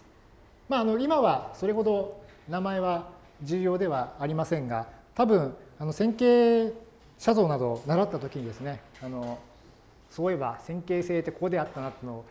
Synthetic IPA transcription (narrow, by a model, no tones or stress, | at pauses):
maːno̞imaβaso̞ɾe̞hɦo̞d̪o̞ | namae̞βa | d͡ʑʑɨːjo̞ːd̪e̞β̞aːɾʲimasẽ̞ŋɡat̪abɯ̟̃ɴ̃ano̞sẽ̞ŋke̞ː | ɕazo̞ːnad̪o̞naɾat̪ːat̪o̞kʲiɲ̟id̪e̞sɨne̞ano̞ | so̞ːe̞ba̰sẽ̞ŋke̞ːse̞ːt̪ːe̞koko̞d̪e̞at̪ːanat̪ːnoː